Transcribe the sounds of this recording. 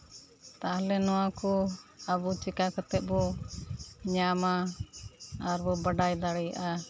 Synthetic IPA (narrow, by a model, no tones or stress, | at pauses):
t̪alɛnɔwakɔabut͡ʃikakɔt̪ɛʔ̪̚ˀbɔ | ɲamaː | ɾbɔbaɖajd̪aɽɛja̰ʔa